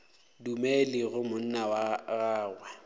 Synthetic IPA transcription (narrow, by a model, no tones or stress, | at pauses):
dumɛlɪɣʊmʊn̩nawaɣaːɣwɛ